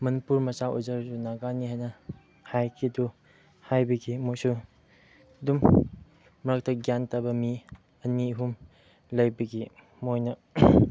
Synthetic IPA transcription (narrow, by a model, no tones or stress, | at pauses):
mɐnipuɾmɐsaʔṵzɐɾsunaɡaniɦajnɐ | hajkʰidu | hajbɐɡimojsu | dumː | ɐɾak̚tɐɡjantɐbɐmi | ɐniɦum | lɐjbɐɡi | mojnɐ